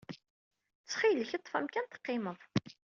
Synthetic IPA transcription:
t͡st͡sːχiləçət̪ˤːfæmkænt̪ə̥qːɪməðˤ

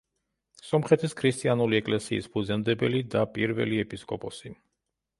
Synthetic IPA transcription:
sɔmχɛt̪ʰiskʰɾist̪ʼianuliɛkʼlɛsḭːsbʰud̪zɛnd̪ɛbɛlid̪apʼiɾvɛ̰liɛpʼiskʼɔpʼɔsi

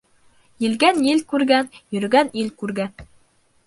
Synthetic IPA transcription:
jɘ̆lɡænjɘlkʉɾɡænjɵ̆ɾ̆ɡænilkʉɾɡæn

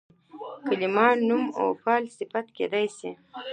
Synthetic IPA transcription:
kəlimɑːnːumo̰wpɑːlsɪfat̪kḛd̪ɑjsi

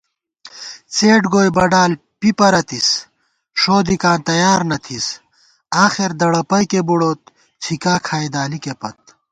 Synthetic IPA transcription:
t͡seːʈɡoːjbɐɖaːl | pipɐɾɐt̪is | ʂoːd̪ikaːnt̪ɐjaːɾnɐt̪ʰis | aːxeɾd̪ɐɽɐpɐjkebuɽoːt̪̚ | t͡sʰikaːkʰaːjd̪aːlikepɐt̪̚

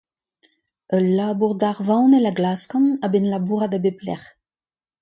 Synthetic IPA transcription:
œlːaːbuʁdaʁvãwnɛlaɡlaːskɑ̃nabɛnlabuːʁad̪abeplɛ̰ʁ

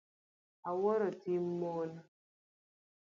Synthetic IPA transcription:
awɔɾɔtimmon

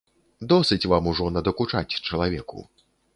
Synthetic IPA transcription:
d̪ɔsɨt͡sʲvamuʐɔnɐd̪ɐkut͡ʂat͡sʲt͡ʂɐlˠavʲɛkṵ

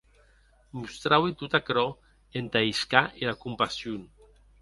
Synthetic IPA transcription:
must̪ɾawit̪ut̪akɾɔ | ent̪aiskaʔelakumpasjun

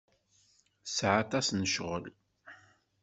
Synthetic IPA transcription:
sʕat̪ɑsnəʃʁə̰l

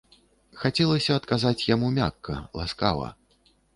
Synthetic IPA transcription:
xat͡sʲɛlˠɐsʲɐːt̪kazat͡sʲjamumʲakːɐ̰lˠa̰ska̰vɐ̰

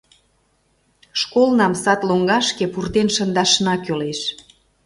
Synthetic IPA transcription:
ʃkolnɑmsɑt̪loŋɡɑʃkepurt̪enʃə̆nd̪ɑʃnɑkøleʃ

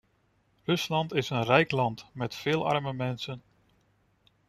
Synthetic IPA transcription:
rɵslɑntɪsənrɛjklɑntmɛtfɪːlˠʔɑ̰rməmɛnsən

